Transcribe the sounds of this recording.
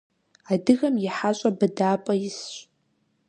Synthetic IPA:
adɨɣamjiħat͡ʃʷʼabadaːpʼajɪsʃʷʼ

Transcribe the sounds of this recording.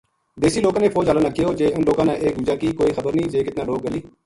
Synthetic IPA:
d̪eːsiːloːkãːnẽːfʰɔːd͡ʒaːlãːnaːkːiːoːd͡ʒeːʊnloːkãːnã̰ːʔeːkɡʊd͡ʒãːkiːkoːiːxəbəɾnĩːd͡ʒeːkɪt̪nãːloːk̚ɡəliː

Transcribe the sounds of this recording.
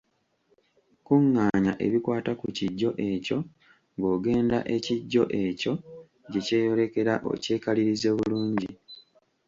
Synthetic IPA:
kuŋːaːɲaʔe̞̰βikwaːtakuciɟːo̞ʔe̞co̞ | ŋɡo̞ːɡe̞ːnda̰ʔe̞ciɟːo̞̰ʔe̞co̞ | ɟe̞ce̞ːjo̞le̞ke̞ɾaʔo̞̰ce̞ːkaliɾize̞βuluːɲɟi

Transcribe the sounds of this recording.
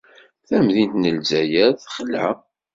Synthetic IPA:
θæmðint̪nəlzæjæθχəlæ̰

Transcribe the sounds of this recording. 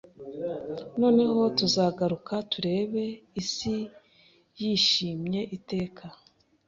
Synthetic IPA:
no̞ːne̞ɦo̞tuzaːɡaɾukatuɾe̞ːβe̞isi | jiːʃiːmɲe̞ʔite̞ːkʰa

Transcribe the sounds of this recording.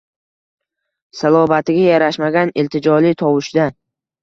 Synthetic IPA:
salˠɒbat̪ɪɡʲajaɾaʃmaɡʲanɪlt̪ʰɪd͡ʒɒlit̪ʰɒwɪʃd̪a

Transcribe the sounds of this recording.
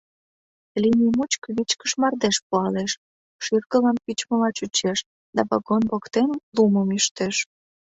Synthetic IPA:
linʲimut͡ɕkəβit͡ɕkə̥ʃmɑrd̪eʃpuɑleʃ | ʃyrkəlɑnpit͡ɕməlɑt͡ɕut͡ɕeʃ | d̪ɑβɑ̰ɣonβokt̪enəmluməmiʃt̪eʃ

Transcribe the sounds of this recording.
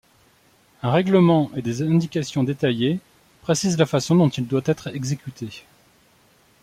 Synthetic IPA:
ɛ̃ʁɛɡləmɑ̃ʔed̪ezɛ̃d̪ikʲasjɔ̃d̪et̪aje | pχesizlafasɔ̃d̪ɔ̃t̪ild̪wat̪ɛt̪χɛɡzekʲyt̪ʰe

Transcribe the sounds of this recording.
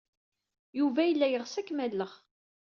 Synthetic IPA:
juvæjəlːæjəʁsækːmælːəʁ

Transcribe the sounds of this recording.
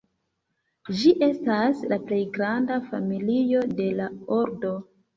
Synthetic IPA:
d͡ʒiʔe̞staslaple̞jɡɾandafamilijo̞de̞laoɾdo̞

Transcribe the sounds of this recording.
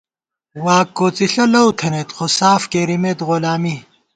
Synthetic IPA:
waːkːoːt͡siɬɐlɐwt̪ʰɐnet̪χosaːfkeɾimet̪ɣolaːmi

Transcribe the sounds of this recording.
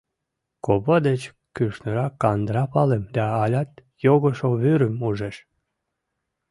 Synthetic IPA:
koβəd̪et͡ɕ | kyʃnəɾɑkːɑnd̪ɾɑpɑlemd̪ɑːlʲɑt̪ | joɣəʃoβyɾəmuʒeʃ

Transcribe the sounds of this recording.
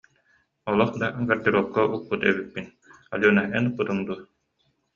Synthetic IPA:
ɔlˠɔχd̪aɡaɾd̪iɾufkaʔulpːut̪ɛ̰βipːin | a̰lʲuːnaɦɛnupːɯt̪ɯŋd̪uɐ

